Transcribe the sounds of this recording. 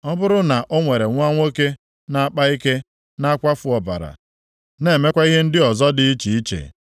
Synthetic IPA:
ɔ˦bʊ˦ɾʊ˦na˨ʔo˦ŋʷe˨ɾe˨ŋʷ˦a˦ŋʷo˦ke˦ | na˨a˦˨k͡pa˦i˦ke˦ | na˦a˦kʷa˦fʊ˨ɔ˨ba̰˨ɾa̰˨ | ne˨me˦kʷa˦i˦ɦe˦n̩˦dɪ˦ɔ˨zɔ˦dɪ˨˦i˦t͡ʃi˨i˦t͡ʃḛ˨

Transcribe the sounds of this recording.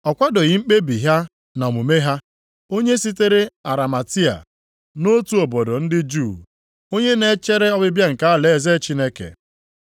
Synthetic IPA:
ɔ˨kʷa˦do˨ɣɪ˨ŋ͡m̩˦k͡pe˦bi˨ɦa˦ | nɔ˨mu˨me˦ɦa˦ | o˦ɲe˦si˦te˦ɾe˦a˨ɾa˨ma˨ti˦a̰˨ | no˦tu˦o˨bo˨do˨n̩˦dɪ˦d͡ʒu˦˨ | o˦ɲe˦ne˨˦t͡ʃe˦ɾe˦ɔ˦bɪ˦bja˦ŋ̩˨ka˦a˦le˨e˨ze˦t͡ʃi˦ne˦kḛ˨

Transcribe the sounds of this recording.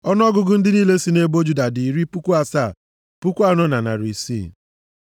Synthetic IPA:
ɔ˦n˦ɔ˦ɡʊ˦ɡʊ˦n̩˦dɪ˦niː˦le˦si˦ne˦bo˦d͡ʒu˦da˨di˨ɾi˦pu˦kʷu˦a˦sa˦˨ | pu˦kʷa˦nɔ˦na˨na̰˨ɾi˨sḭ˦

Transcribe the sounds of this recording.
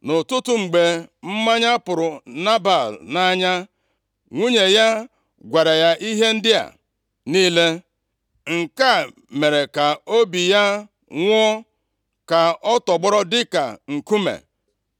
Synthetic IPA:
nʊ˨tʊ˦tʊ˦ŋ͡m̩˨ɡ͡be˨m̩˦ma˦ɲa˦pʊ˨ɾʊ˨na˦ba˨lna˦ɲa˦ | ŋʷu˦ɲe˨ja˦ | ɡʷa˨ɾa˨ja˦ʔi˦ɦe˦n̩˦dɪ˦a̰˨ | niː˦le˦ | ŋ̩˨ka˦˨ | me˨ɾe˨ka˨o˦bi˨ja˦ | ŋʷ˦ɔ˦ | ka˨ɔ˦tɔ˨ɡ͡bɔ˦ɾɔ˦dɪ˦ka̰˨ŋ̩˨ku˦mḛ˨

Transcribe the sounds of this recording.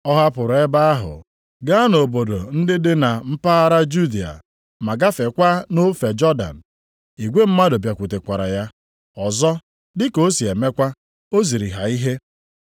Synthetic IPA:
ɔ˦ɦa˦pʊ˨ɾe˦ba˦a˦ɦʊ̰˨ | ɡa˦no˨bo˨do˨n̩˦dɪ˦dɪ˦na˨m̩˦pa˦a˦ɾa˦d͡ʒu˦di˨a̰˨ | ma˨ɡa˦fe˨kʷa˦no˦fe˨d͡ʒɔ˦da̰˨n̩˨ | i˨ɡʷe˦m̩˦ma˦do˨bja˨kʷu˨te˨kʷa˨ɾa̰˨ja˦ | ɔ˨zɔ˦ | dɪ˦ko˦si˨e˨me˦kʷa˦ | o˦zi˨ɾi˨ɦa˨i˦ɦe˦

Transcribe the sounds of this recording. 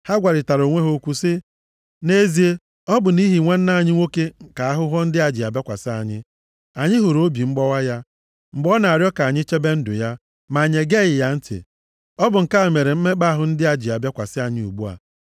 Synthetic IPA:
ha˦ɡʷa˨ɾɪ˨ta˨ɾo˨ŋʷe˦ɦo˦kʷu˦sɪ˦ | ne˦zi˨e˦ | ɔ˦bʊ˨ni˦ɦi˨ŋʷe˦n̩˦na˦˨ɲɪ˦ŋʷo˦ke˦ŋ̩˨ka˨a˦ɦʊ˦ɦɔ˦n̩˦dɪ˦a˨d͡ʒɪ˨a˨bja˦kʷa̰˨sɪ˦a˨ɲɪ̰˦ | a˨ɲɪ˦ɦʊ˨ɾo˦bi˨ŋ͡m̩˦ɡ͡bɔ˦wa˦ja˦ | ŋ͡m̩˨ɡ͡bɔ˦na˨a˨ɾjɔ˦ka˨a˨ɲɪ˦t͡ʃe˦be˦n̩˦dʊ̰˨ja˦ | ma˨ɲe˨ɡe˦˨ɣɪ˨ja˦n̩˦tɪ̰˨ | ɔ˦bʊ˨ŋ̩˨ka˦e˨me˨ɾe˨m̩˦me˦k͡pa˦a˦˨ɦʊ˨n̩˦dɪ˦a˨d͡ʒɪ˨a˨bja˦kʷa˨sɪ˦a˨ɲɪ˦ṵ˨ɡ͡bu˦a̰˨

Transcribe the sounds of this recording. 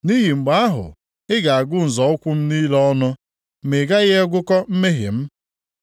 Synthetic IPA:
ni˦ɦi˨ŋ͡m̩˨ɡ͡ba˨a˦ɦʊ̰˨ | ɪ˦ɡa˨a˨ɡʊ˦n̩˨zɔ˨ʊ˦kʷʊ˦m̩˦ni˦lɔ˦nʊ˦ | mɪ˨ɡa˦ɣe˦ɡʷʊ˦kɔ˦m̩˦me˦ɦɪ̰˨m̩˦

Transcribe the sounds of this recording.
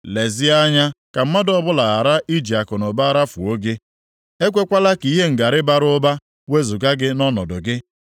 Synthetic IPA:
le˨zɪ˦a˦ɲa˦ka˨m̩˦ma˦dɔ˦bʊ˦la˨a˨ɾa˦ʔi˦d͡ʒi˨a˨kʊ˨nʊ˨ba˦a˦ɾa˦fu˨o˦ɡe˦ | e˦kʷe˦kʷa˦la˦ki˨˦ɦe˦ŋ̩˨ɡa˨ɾɪ˦ba˨ɾʊ˦ba˦ | we˦zʊ˨ɡa˦ɡɪ˦nɔ˦nɔ˨dʊ˨ɡɪ˦

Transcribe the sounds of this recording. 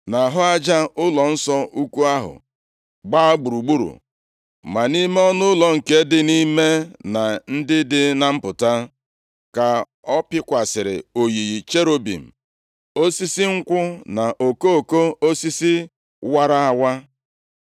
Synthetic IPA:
na˨ɦʊ˦a˦d͡ʒa˦ʊ˦lɔ˨n̩˦sɔ˦ʔu˦kʷu˦a˦ɦʊ̰˨ | ɡ͡ba˦ɡ͡bu˨ɾu˨ɡ͡bu˦ɾṵ˨ | ma˨ni˦me˦ɔ˦nʊ˦lɔ˨ŋ̩˨ke˦dɪ˦ni˦me˦na˨n̩˦dɪ˦dɪ˦na˨m̩˦pʊ˨ta˦ | ka˨ | ɔ˦pɪ˦kʷa˨sɪ˨ɾɪ̰˨o˨ji˨ɣi˨t͡ʃe˦ɾo˦bḭ˨m̩˨ | o˦si˦si˦ŋ̩˦kʷʊ˦na˨ʔo˨ko˦o˨ko˦o˦si˦si˦ | wa˦ɾa˦a˨wa˦

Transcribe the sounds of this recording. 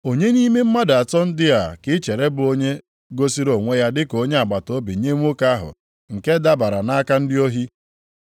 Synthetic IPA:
o˨ɲe˦ni˦me˦m̩˦ma˦da˨tɔ˦n̩˦dɪ˦a˨kɪ˦t͡ʃe˨ɾe˦bʊ˨o˦ɲe˦ | ɡo˦si˦ɾo˨ŋʷe˦ja˦dɪ˦ko˦ɲe˦a˨ɡ͡ba˨to˦bi˨ɲe˦ŋʷ˦o˦ka˦ɦʊ̰˨ | ŋ̩˨ke˦da˦ba˨ɾa˨na˦ka˦n̩˦dɪ˦o˦ɦi˦

